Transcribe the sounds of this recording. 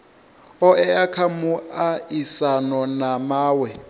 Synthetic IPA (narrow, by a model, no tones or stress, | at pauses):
ɔɛakʰamuaisanɔnamaːwɛ